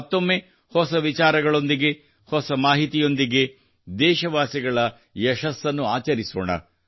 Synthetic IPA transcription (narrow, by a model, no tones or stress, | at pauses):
t̪ːomːe | hɔsɐʋit͡ʃaːɾɐɡɐɭo̞nd̪iɡe̞ | hɔsɐmaːɦit̪ijo̞nd̪iɡe̞ | d̪ɛːʃɐʋaːsiɡɐɭɐ | jɛʃɐsːɐnːuaːt͡ʃɐɾiso̰ːɳɐ̰